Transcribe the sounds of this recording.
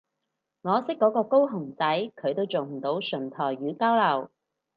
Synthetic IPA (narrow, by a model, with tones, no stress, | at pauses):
ŋɔː˨˧sɪ˥k̚kːɔː˨˥kɔː˧ko˥wɦʊ˨˩ŋt͡sɐ˨˥jkʰɵ˨˧ɥt̪o˥wt͡sʊ˨˩m̩˨˩t̪o˨˧˥wsɵ˨˩nt̪ʰɔː˨˩jɥyː˨˧kaː˥wlɐ˨˩w